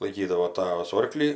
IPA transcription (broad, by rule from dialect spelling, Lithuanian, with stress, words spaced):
lˠɐɪˈkʲiːdɐʋoː ˈtɑːʋɐs ˈoːrklʲiː